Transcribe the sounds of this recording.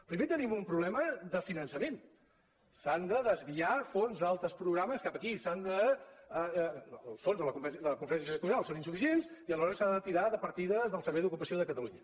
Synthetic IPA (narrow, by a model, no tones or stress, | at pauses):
pɾimet̪ənimumpɾuβlɛməðəfinənsəmen | sand̪əðəzβiafonzðalˠt̪ɾəspɾuɣɾaməskapəkisand̪ə | lˠsfonzðələkud̪əlkuɱfəɾɛns̬iət̪unalˠsoninsufis̬ienziəlˠəzɔɾəsand̪ət̪iɾaðəpəɾt̪iðəzðəlˠsəɾβɛjðukupəsioðəkət̪əluɲə